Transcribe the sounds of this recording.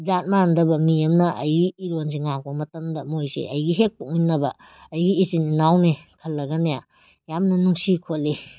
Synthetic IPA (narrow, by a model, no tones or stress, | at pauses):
zat̚mandɐbɐmiɐmnɐʔɐ̰jɡiːɾons̬iŋaŋbomɐtɐmdɐmojsḛʔɐjɡiɦek̚puk̚minːɐbɐː | jɡiːsininawnekʰɐlːɐɡɐneja | jamnɐnuŋsikʰotli